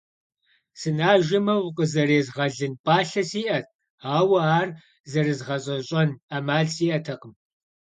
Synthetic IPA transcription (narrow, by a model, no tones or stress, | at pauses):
sɨnaːʒɪmɐwʊqʼəzɐreːzʁɐɮɨnpʼaːɬɐsiːʔɐt̚ʰʼ | aːwɐaːr | zɐrɨzʁɐɕʼɐɕʼɐnamaːɮsiːʔɐtʰɐqəm